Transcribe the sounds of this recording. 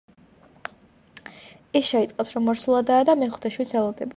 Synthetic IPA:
isʃɛit̪sʼqʼɔpsɾɔmːɔɾsulˠad̪aːd̪amɛχut̪ʰɛʃwit̪sʰɛlˠɔd̪ɛba

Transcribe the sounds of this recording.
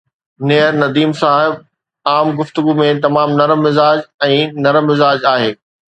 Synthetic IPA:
neːəɾnɐd̪iːmsaːɦɪb̚ | aːmɡʊft̪ʊɡumẽt̪̬ɐmaːmnɐɾəːɪzaːd͡ʑɛ̃ːnɐɾmːɪzaːd͡ʑaːɦeː

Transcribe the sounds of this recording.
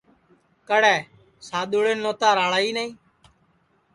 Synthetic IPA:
kəɽɛː | saːɗ̪oːɽeːnoːt̪aːɾaːɭaːiːnaĩː

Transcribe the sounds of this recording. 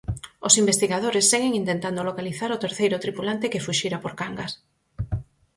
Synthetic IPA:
osimbest̪iɣað̞oɾesːeɣeŋĩnt̪ent̪and̪olokaliθaɾʊt̪eɾθejɾʊt̪ɾipulant̪ekefuʃiɾapoɾkaŋɡas

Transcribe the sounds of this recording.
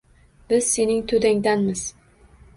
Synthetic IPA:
b̥ɪz̥se̞nɪŋt̪ʰod̪aŋd̪anmɪz̥

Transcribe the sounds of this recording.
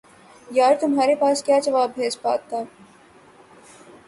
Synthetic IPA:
jaːɾt̪ʊmɦaːɾepaːskjaːd͡ʒɐʋaːbːʱeːd͡ʒpa̰ːt̪ːaː

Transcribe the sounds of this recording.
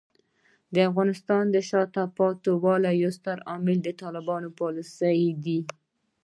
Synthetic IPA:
d̪əafɣɑnɪst̪ɑnd̪əʃɑt̪apɑt̪owɑlajost̪aɾɑmɪld̪ət̪ɑlɪbɑnopɑlusəjd̪i

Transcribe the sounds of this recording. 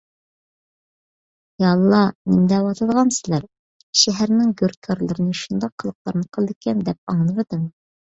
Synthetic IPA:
jɑlˠːɑnimd̪æwɑt̪ʰɑ̆lˠʁɑnsɘlæɾ | ʃæɦæɾnɪŋɡɵɾkʲʰɑɾlˠɤ̆ɾɤnjʃund̪ɑqʰɤ̆lˠɤ̆q̚lˠɑɾnɤqʰɤlˠd̪ikʲænd̪æp̚ɑɴlˠɤβɤd̪ɤm

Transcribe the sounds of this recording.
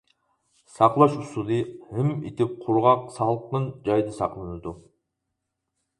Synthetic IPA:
sɑqlˠɑʃusulˠɨhɪmḭt̪ʰɪp̚qʰʊɾʁɑqsɑlˠqənd͡ʒɑjd̪ɨsɑqlˠɨnɨd̪u

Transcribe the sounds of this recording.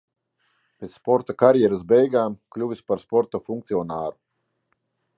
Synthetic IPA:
pʲet̪sspɔɾt̪akaɾjɛɾasbɛjɡaːmklʲuvʲispaɾspɔɾt̪ɔfuŋk̚t̪siɔnaːɾu

